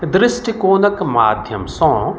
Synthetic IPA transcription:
d̪ɾɪsʈikoːnɐkma̰ːd̪ʱjɐmsɔ̃

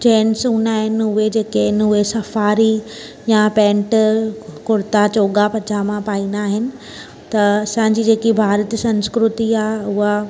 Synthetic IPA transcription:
t͡ɕeːnsuːnaːɦɪnɪʊɦed͡ʑeːkeɪnɦʊɦesɐfaːɾi | japɛ̃ːɳʈkʊɾɪt̪at͡ɕoːɠapɐd͡ʑʰamãpaːĩːnd̪aːɦɪnɪ̆ | t̪ɐɐsã̆ːd͡ʑiːd͡ʑeːkibʱaːɾət̪sɐ̃nskɾʊt̪iaːɦeʊɦa

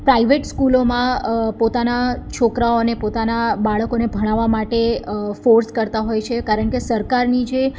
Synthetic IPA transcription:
pɾaiʋeʈskulomãpot̪anat͡ʃʰokɾaonepot̪anabaɭəkonebʱəɽ̃aʋːamaʈefoɾskəɾt̪aɦojt͡ʃʰekaɾəɳkesəɾkaɾnid͡ʒe

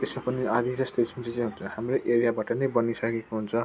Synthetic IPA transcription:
t̪esmapʌniad̪id͡zʌst̪esʰt͡sit͡sẽɦunt͡sʰʌhamroʔeɾijabaʈʌnʌjbʌnisʌkekoɦunt͡sʰʌ

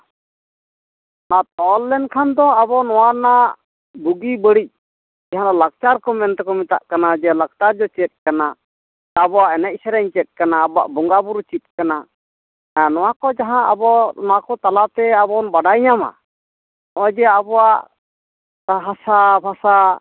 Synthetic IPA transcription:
nat̪ɔlːɛnkʰand̪ɔabɔnɔwana | buɡibəɽic̚ | d͡ʒaɦãd̪ɔlak̚t͡ʃaɾkɔmɛnt̪ɛkɔmit̪a̰ʔkanad͡ʒɛlak̚t̪aɾd͡ʒɔt͡ʃɛt̪̚ˀkana | abɔwaʔɛnɛc̚ˀsɛɾɛɲt͡ʃɛt̪̚ˀkanaːbɔa̰ʔbɔŋɡabuɾut͡ʃit̪̚kana | nɔwakɔd͡ʒaɦãʔa̰bɔnɔwakɔt̪alat̪ɛabɔnbaɖajɲama̰ | nɔwad͡ʒɛabɔwaʔ | aɦasabʱasa

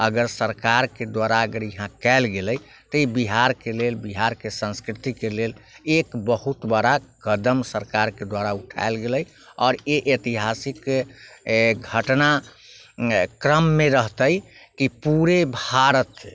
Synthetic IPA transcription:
əɡəɾsəɾkaɾked̪waɾaəɡəɾjəɦãkɛlɡeləj | t̪ɔibiɦaɾkelelbiɦaɾkesə̃nskɾit̪ikelelekbəɦut̪bəɽakəd̪əmsəɾkaɾked̪waɾauʈʰa̰elɡeləj | ɔːɾeʔet̪iɦasik | ɡʱəʈna | kɾəmːeɾəɦt̪əjkipuɾebʱaɾət̪

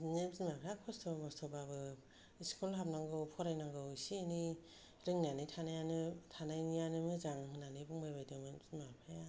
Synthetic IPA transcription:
nezinmapʰajakʰɔstʰɔbmɔstʰɔbabɯ | iskɔlɦap̚naŋɡɯwpʰɔɾajnaŋɡɯwisini | ɾɯŋnanitʰanajanɯtʰanajnijanɯmɯzaŋɦɯnanibuŋmajbajdɯmazinmapʰaja

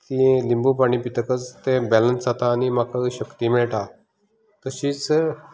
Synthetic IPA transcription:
t̪ĩlimbupaɳ̃iːpit̪əkət͡st̪ẽbɛlənsat̪aːnimakaɕəkt̪iːmɛɭʈ̪a | t̪əɕiːt͡s

